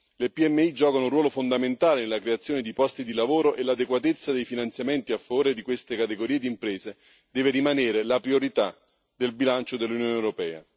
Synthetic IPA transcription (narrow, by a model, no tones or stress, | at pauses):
lepiɛmːeid͡ʒɔːkanourwɔːlofond̪ament̪aːlenelːakɾeat̪sjoːned̪ipɔst̪id̪ilavoːɾoʔelad̪ekwat̪et̪sːad̪ejfinant̪sjament̪iafːavoːɾed̪ikwest̪ekat̪eɡoɾiːed̪impɾeːze | d̪ɛːverimaneːɾelapɾioɾit̪a | d̪elbilant͡ʃod̪elːunjoːnewɾopɛ̰ːa̰